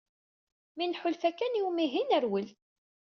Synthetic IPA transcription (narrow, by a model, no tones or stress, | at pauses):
minħʊlfækːæniwmiɦinəɾwəl